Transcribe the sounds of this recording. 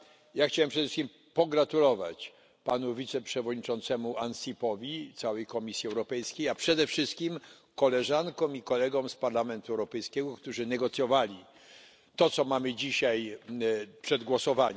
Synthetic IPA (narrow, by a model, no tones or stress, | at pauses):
jaxt͡ɕawɛmpʂɛd̪ɛfʂɨskʲim | pɔɡɾat̪ulɔva̰t͡ɕ | panuvʲit̪sɛpʂɛvɔd̪ɲit͡ʂɔnt̪sɛmuʔansʲipɔvʲit̪sawɛjkɔmʲisʲjiɛwɾɔpɛjskʲejapʂɛd̪ɛfʂɘst̪̚kʲim | kɔlɛʐankɔ̃wmikɔlɛɡɔwspaɾlamɛnt̪uɛwɾɔpɛjskʲɛɡɔkt̪uʐɘnɛɡɔt̪sʲjɔvalʲi | t̪ɔt̪sɔmamɘd͡ʑiɕaj | pʂɛd̪ɡwɔsɔvaɲɛ